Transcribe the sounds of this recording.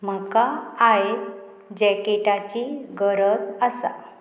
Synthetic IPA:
m̤əkaaje | d͡ʑɛkeʈat͡ɕiɡəɾət͡səsa̰

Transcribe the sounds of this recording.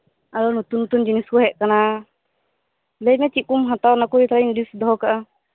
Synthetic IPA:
aɾɔnut̪unːut̪und͡ʒiniskɔɦɛʔ̚kana | lɛjmɛt͡ʃiʔ̚kumɦãt̪awnakuɾit̪aɾanɖisd̪ɔɦɔkaʔa

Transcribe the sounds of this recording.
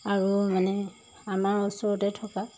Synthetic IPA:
aɹumanɛ | amaɹɔsɔɔtɛtʰɔka

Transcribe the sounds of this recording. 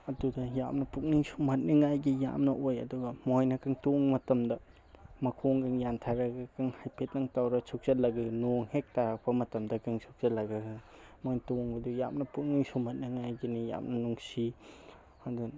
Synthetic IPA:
ɐdudɐja̰mnɐpuk̚niŋsumhɐt̚niŋajɡija̰mnɐʔojɐ̰duɡɐmojnɐkaŋtoŋmɐtɐmdɐ | mɐkʰoŋɡaŋjantʰaɾɐɡɐkɯŋhajpʰet̚nɐŋtawɾɐsʰuk̚zɐlɐɡɯnoŋhek̚taɾɐk̚pɐmɐtɐmdɐkɯŋsʰuk̚zɐlɐɡɯɯmojntoŋɐduja̰mnɐpuk̚niŋsumhɐt̚niŋajɡinija̰mnɐnuŋsi | ɐdu

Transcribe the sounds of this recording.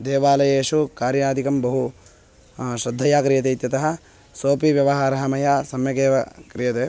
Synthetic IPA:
d̪eːʋaːlɐjeːʃukaːɾjɐaːd̪ʱikɐmbɐɦu | ʃɾɐd̪ʱːɐjaːkɾijɐt̪̬eːit̪jɐt̪ɐɦɐ̆ | soːpiʋjɐʋɐɦaːɾɐɦɐmɐjaːsɐmjɐkeːʋɐkɾijɐt̪eː

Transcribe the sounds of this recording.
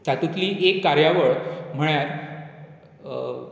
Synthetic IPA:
t̪at̪ut̪liːʔekːaɾjaʋəɭm̤əɳjaɾ

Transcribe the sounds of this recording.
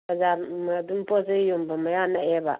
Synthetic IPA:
ad͡ʒamdumpos̬ejumbamajanaeba̰

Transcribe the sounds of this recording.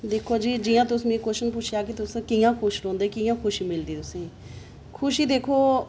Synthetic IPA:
d̪eːkʰoːd͡ʒiːd͡ʒiːjãːt̪ʊsmẽːkoʃənp̬ʊt͡ʃʰjaːkɪt̪ʊskɪːjãːkʰʊʃɾõːnd̪eːkɪjãːkʰʊʃiːmɪld̪iːt̪ʊsẽː | kʰʊʃiːd̪eːkʰoː

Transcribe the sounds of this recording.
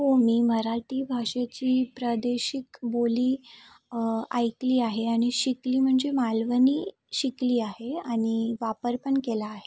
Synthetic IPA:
ɦomiːməɾaʈiːbʱaʂat͡ɕiːpɾəd̪eɕikboliː | a̰jkliːaɦeaɽ̃iɕikliːm̤əɳd͡zemalʋəniː | ɕikliːaɦeaɽ̃iʋapəɾpəɳkelaːɦe

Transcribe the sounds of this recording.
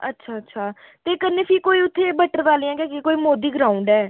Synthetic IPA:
ə̰tːʃʰaːətːʃʰaː | t̪eːkənːeːpʰiːkoːiːʊt̪ʰːeːbəʈːəɾʋaːlijãːkeːkekoːiːmoːd̪iːɡəɾaːʊuɳɖɛː

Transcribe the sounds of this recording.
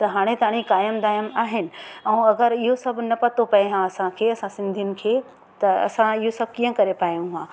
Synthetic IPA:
t̪ɐɦaːɽ̃et̪aːɽ̃ikaːjəmd̪aːjəmaːɦɪnɪ̆ɛ̃ːɐɡəɾɪɦosɐbʱnɐpɐt̪opɐeɦãɐsãkʰeːɐsãsɪ̃nd̪ʱijʊnɪ̆kʰeː | t̪ɐɐ̰sãɪɦosɐb̚ʱkĩːə̃kɐɾepaːjũɦãː

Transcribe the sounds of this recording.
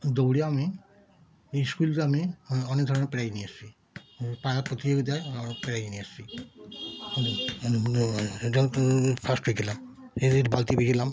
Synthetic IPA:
d̪owɽiami | ejskulʈeamiɔnekɡd̪ʱɔɾonepɛɾajniast͡ʃʰi | paapot̪ieked̪ajpɛɾajniast͡ʃʰi | eʈapʰasʈbekʰilam | eeʈbalt̪ibekʰilam

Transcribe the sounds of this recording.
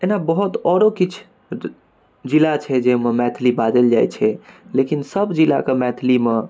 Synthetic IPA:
enabəɦut̪ɔɾokit͡ʃʰ | d͡ʒilat͡ʃʰɛd͡ʒememɛt̪ʰlibad̪əld͡ʒa̰jt͡ʃʰɛlekinsəbd͡ʒila̰kemɛt̪ʰlime

